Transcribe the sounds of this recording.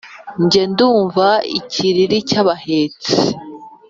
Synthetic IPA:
ɲɟe̞nduːɱvaḭciɾiɾicaβaheːt͡si

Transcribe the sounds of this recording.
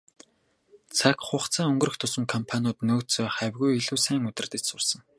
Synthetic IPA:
t͡sʰakχʊχt͡sʰaːɵŋɡɵ̆ɾɵ̆xt̪ʰʊsə̆ŋkʰɔmpʰanʲʊːt̪noːt͡soːχæwʲɣujiɮuːsæːŋɵt̪ɘ̆rt̪ɘ̆t͡ɕsʊrsə̆ŋ

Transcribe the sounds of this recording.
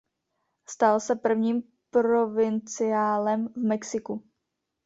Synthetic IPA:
st̪alsɛpr̩vɲiːm | pɾo̞vɪnt͡sɪjaːlɛmvmɛksɪku

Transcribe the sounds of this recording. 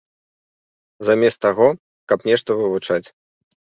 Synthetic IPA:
zamʲɛst̪aɣɔ | kɐpnʲɛʂt̪ɐvɨvut͡ʂat͡sʲ

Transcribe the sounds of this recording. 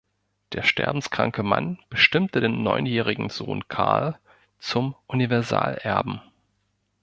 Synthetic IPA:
d̥eːɐʃtʰɛ̰ɐbm̩skʁ̥a̰ŋkəma̰nb̥əʃtɪmtədeːnːɔʏnjɛːʁ̞ɪɡŋ̩zo̰ːnkʰaɐl | t͡sʊmʔunivɛɐza̰ːlʔɛɐbm̩

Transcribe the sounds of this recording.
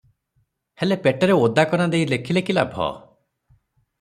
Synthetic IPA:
helepeʈɔɾeod̪akɔnad̪eilekʰilekilabʱɔ̰

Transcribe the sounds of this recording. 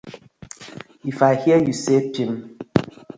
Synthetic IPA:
ifahjɛjusepim

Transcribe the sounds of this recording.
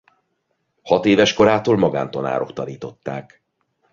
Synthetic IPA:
hɒt̪eːvɛʃko̞ɾaːt̪oːlmɒɡa̰ːnt̪ɒna̰ːɾo̞kt̪ɒniːt̪o̞t̪ːaːk

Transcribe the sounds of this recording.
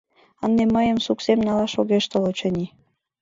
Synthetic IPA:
ənd̪eməjəmsuksemnɑlɑʃoɣeʃt̪əlot͡ɕənʲi

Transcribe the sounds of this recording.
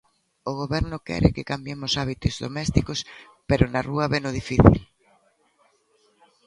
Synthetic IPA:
oɣ̞oβɛɾnʊkɛ̰ɾɪ̰kɪkambjemʊsaβit̪ozðo̰mɛst̪ikos | peɾʊnɐruɐβenʊð̞ifiθḭl

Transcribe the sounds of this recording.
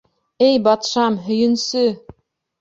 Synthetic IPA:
ɘjbɑt̪ʃɑmɦɵ̆jɵ̆nsɵ

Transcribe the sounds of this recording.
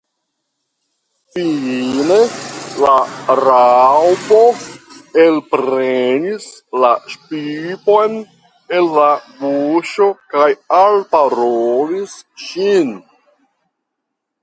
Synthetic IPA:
fine̞laɾawbo̞ | elpɾenislaʃpipo̞jn | e̞lːabuʃo̞kajalpaɾolisʃin

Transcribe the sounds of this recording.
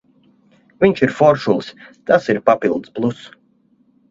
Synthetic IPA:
vʲiɲt͡ʃiɾfɔɾʃulˠst̪asiɾpapilˠd̪splˠus

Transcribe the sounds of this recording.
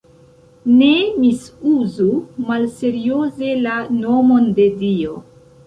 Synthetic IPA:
ne̞misuzumalse̞ɾioze̞lano̞mo̞nde̞dio̞

